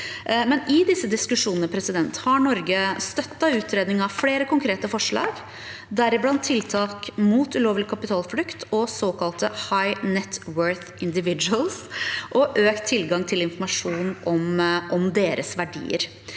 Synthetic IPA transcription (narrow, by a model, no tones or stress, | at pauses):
mɛnɪd̪ɪsːəd̪ɪskʉʂuːnənəpʰɾɛsɪd̪ɛnt̪hɑɳɔɾɡəst̪œt̪ːɑʉːt̪ʰɾeːd̪nɪŋɑʋfleːɾəkʊŋkʰɾeːt̪əfɔʂɭɑ̰ːɡ | d̪æɾɪblɑnt̪ʰːɪlt̪ʰɑːkmuːt̪ʉloːʋlɪkʰɑpɪt̪ʰɑːlflʉkt̪ʰɔsoːkʰɑlt̪əhɑɪnɛt̪ʰwœɹθ | ɪnd̪ɪʋɪd͡ʒʉəlˠsʔɔʔøːkt̪ʰːɪlɡɑŋt̪ʰɪlɪnfɔɾmɑʂuːnʔɔmʔɔmd̪eːɾəsʋæɖḭːə̰ɾ